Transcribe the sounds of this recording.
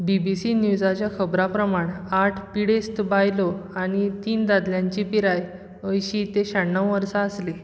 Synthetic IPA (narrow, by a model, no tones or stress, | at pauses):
bibisinjud͡zat͡ɕjakʰəbɾapɾəmaɳ̃aʈʰpiɽest̪bajloaɽ̃it̪iːnd̪ad̪ljãɲt͡ɕipiɾaj | əjɕit̪eɕaɽnəwʋəɾsaəsle